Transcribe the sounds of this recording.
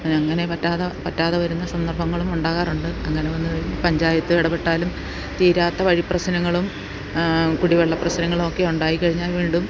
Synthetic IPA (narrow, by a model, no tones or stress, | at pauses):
nɐŋːɐne̞pɐtːaːðɐpɐtːaːðɐʋɐɾunːɐsɐnd̪ɐrbʱɐŋːɐɭumuɳɖaːɣaːruɳɖɨɐŋːɐne̞ʋɐnːɨʋɐɾunːɐpɐɲd͡ʑaːjɐt̪ːɨʋiɽɐbe̞ʈːaːlum | t̪iːɾaːt̪ːɐʋɐɻiprɐɕnɐŋːɐɭum | kuɽiʋeɭːɐprɐɕnɐŋːɐɭumo̞kːe̞uɳɖaːjikːɐɻiɲːaːlʋiːɳɖum